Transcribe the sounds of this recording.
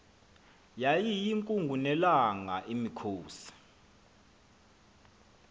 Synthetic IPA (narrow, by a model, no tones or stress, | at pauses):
jajijiŋkʼuŋɡʱunɛlaŋaʔimikʰoːsḁ